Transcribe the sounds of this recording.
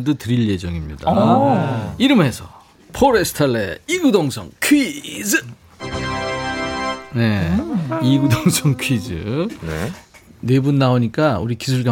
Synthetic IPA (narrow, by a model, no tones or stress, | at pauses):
dɯtɯɾiʎje̞d͡ʑʌŋimɲḭda̰ | iɾɯmɦe̞sʰʌ | pʰoɾesʰɯ̥tʰaɭːḛiɡudoŋsʰʌ̰ŋkʰid͡ʑɯ | ne̞ | iɡudoŋsʰʌŋkʰɥid͡ʑɯ̰nene̞bunːaoɲik͈aṵɾikisʰuɭka